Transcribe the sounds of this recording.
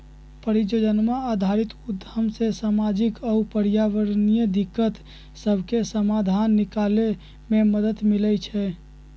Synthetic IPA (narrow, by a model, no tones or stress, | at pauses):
pəɾid͡ʒod͡ʒənmaːd̪ʱaɾit̪ud̪ʱːəmsesamad͡ʒikəupəɾjaʋəɾnijəd̪ikːət̪ | səbʱkesəmad̪ʱanːikale | meməd̪ət̪milɛt͡ʃʰɛ